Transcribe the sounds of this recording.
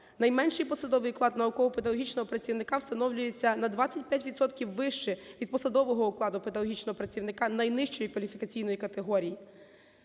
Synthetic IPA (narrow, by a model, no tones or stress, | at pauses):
nɐjmɛnʃɪjpɔsɐd̪ɔʋɪjklˠɑd̪nɐʊkɔɦʊped̪ɐlɔɦit͡ʃnɔɦɔpɾɐt͡sʲiwnɪkɑwst̪ɐnɔwlʲʊjet͡sʲːɐnɐd̪ʋat͡sʲːɐt̚ʲpʲjatʲʋʲid̪sɔt̪kʲiwːɪʃt͡ʃɛʋʲid̪̚pɔsɐd̪ɔʋɔɦɔʊklˠɑd̪ʊped̪ɐlɔɦit͡ʃnɔɦɔpɾɐt͡sʲiwnɪkɑnɐjnɪʃt͡ʃɔjikʋɐlʲifʲikɐt͡sʲijn̪ɔjikɐt̪eɦɔɾʲiji